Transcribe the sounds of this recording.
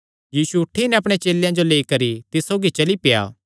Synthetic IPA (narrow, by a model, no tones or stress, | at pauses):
jiːsuʊʈʰːinɛɐp̬ɽ̃et͡ʃeːljãd͡ʒoleːikɐɾit̪ɪsːoːɡit͡ʃɐlipɪja̰ː